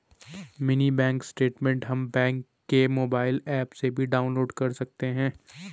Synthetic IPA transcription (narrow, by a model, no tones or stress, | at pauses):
mɪnibɛ̃ːŋksʈeːʈmɛ̃ɳʈɦɐmbɛ̃ːŋkːemoːbaːɪlɛːpsebʱiɖaːʊ̃nloːɖkɐɾsɐk̚t̪eɦɛ̃ː